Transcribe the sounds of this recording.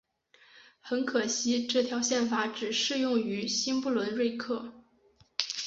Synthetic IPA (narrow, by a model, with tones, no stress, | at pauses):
xə˧˥nkʰɤ˨˩ɕi˧˥ʈ͡ʂɤ˥˩t̪ʰjɑ˧˥ʊɕjɛ˥˩nfa˧˥ʈ͡ʂɻ̩˨˩ʂɻ̩˥˧jʊ˥˩ŋy˧˥ɕi˥npu˥˩lwə˧˥nɻwe˥˧ɪkʰɤ˥˩